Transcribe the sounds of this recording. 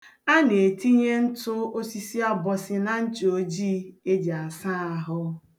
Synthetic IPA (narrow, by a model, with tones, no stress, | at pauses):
a˦ne˨ti˦ɲe˦n̩˦tʊ˦o˦si˦si˦a˦bɔ˨sɪ˦na˨n̩˦t͡ʃo˨d͡ʒi˦e˦d͡ʒa˨sa˦a˨ɦʊ˦